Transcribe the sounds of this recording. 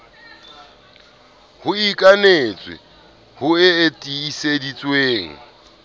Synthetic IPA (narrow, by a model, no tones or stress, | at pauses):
hʊikʼanet͡sʼwɪ̰ | hʊɪːtʼiːsedit͡sʼweːŋ̩